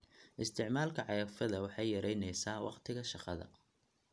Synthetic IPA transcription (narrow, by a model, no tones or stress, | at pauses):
ʔɪst̪ʰɪʕmaːlkʰɐʕɑjaːfɐðɐwɑħɑjjɐɾɛjnɛjsaːwʔɑ̰qt̪ʰɪɣɐʃɑqɑðɐ̰